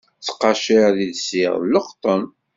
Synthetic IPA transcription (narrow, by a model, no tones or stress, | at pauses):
t͡sːə̥qːɑʃiðiðsiʁləqt̪ˤən